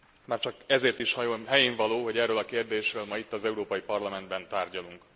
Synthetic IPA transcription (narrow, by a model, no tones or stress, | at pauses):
maːrt͡ʃɒkɛzeːrt̪iʃhɒjonɦɛjeːɱvɒloːɦo̞ɟɛrːølɒkeːrd̪eːʃrøːlmɒit̪ːɒzɛuɾoːpɒjipɒrlɒmɛnd̪̚bɛnt̪aːrɟɒluŋk